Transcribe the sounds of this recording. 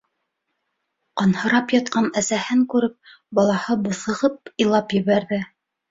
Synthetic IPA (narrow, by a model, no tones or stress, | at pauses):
qɑnhɤ̆ɾɑpjɑt̪̚qɑnæsæhɘŋkʉɾɘp̚ | bɑlˠɑhɤbŏθɤ̆ʁɤp̚ilˠɑpjɘ̆βæɾðɘ